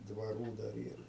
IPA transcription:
dʋɐˈruː dɐr ˈiːr

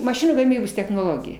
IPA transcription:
mɐˈʃʲɪnuː ɡɐˈmʲiːboːs tʲɛxnoːˈlˠoːɡʲɪjɛ

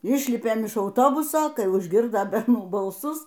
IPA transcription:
ˈɪʃʲlʲɪpʲeːm ɪʃ ɐʊˈtoːbʊsoː ˈkɐɪ ʊʒʲˈɡʲɪrdoː bʲɛrˈnuː bɐlˠˈsʊs

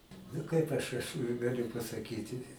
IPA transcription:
nʊ ˈkɐɪp ɐʃ ɐʃ ɡɐˈlʲʊ pɐsɐˈkʲiːtʲɪ

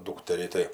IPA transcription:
ˈduːktʲɛrʲiː tɐɪ

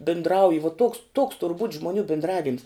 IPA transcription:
bʲɪndˈrɐʊjɪ ʋuɔ toːks tuɔks tʊr buːtʲ ʒmʊˈnʲuː bʲɪndˈrɑːʋʲɪms

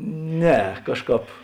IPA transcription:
ˈnʲɛ ˈkɑːʃˌkɑːp

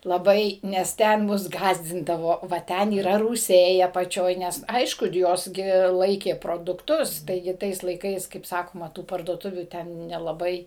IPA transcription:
lˠɐˈbɐɪ nʲɛs ˈtʲɛn ˈmʊs ˈɡɑːzʲdʲɪndɐʋoː ʋɐ ˈtʲɛn iːˈrɐ ruːˈsʲɛɪ ɐpɐˈt͡ʃʲoːj ˈnʲɛs ˈɐɪʃkʊ ˈjoːs ɡʲɪ ˈlˠɐɪkʲeː proːdʊkˈtʊs ˈtɐɪɡʲɪ ˈtɐɪs lˠɐɪˈkɐɪs kɐɪp ˈsɑːkoːmɐ tuː pɐrduɔˈtʊʋʲuː ˈtʲɛn nʲɛlˠɐˈbɐɪ

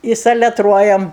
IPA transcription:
ɪ sɐlʲɛˈtruɔjɛm

